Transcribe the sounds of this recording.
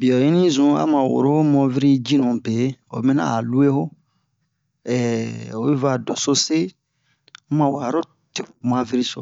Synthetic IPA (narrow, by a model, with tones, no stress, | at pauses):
bi˨ɔ˨ji˦nĩ˦zũ˨˦a̰˦mã˨wo̰˨ɾo˦o˦mɔ̃˧vi˦ɾi˦d͡ʒĩ˦nũ˨be˨˦o̰˨mẽ˦nã̰˦˨lu˦e˦ho˦ | ɛ˨o˨e˦va˦˨dɔ˨so˦se˦ | mã˨wa˨ɾo˦ | te˨m˨ã˨vi˦ɾi˦so̰˨